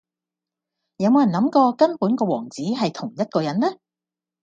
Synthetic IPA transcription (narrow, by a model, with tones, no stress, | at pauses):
jɐ˨˧wmoː˨˧jɐ˨˩nlɐ˨˥mkɔː˧kɐ˥npuː˨˥nkɔː˧wɔː˨˩ŋt͡siː˨˥ɦɐ˨jt̪ʰʊ˨˩ŋjɐ˥t̚kɔː˧jɐ˨˥nlɛ˥